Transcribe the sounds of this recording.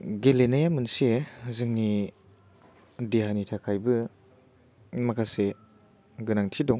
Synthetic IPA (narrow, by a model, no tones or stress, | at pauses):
ɡelenajamɯnsezɯŋni | diɦanitʰakʰajbɯ | makʰase | ɡɯnaŋtʰidɔŋ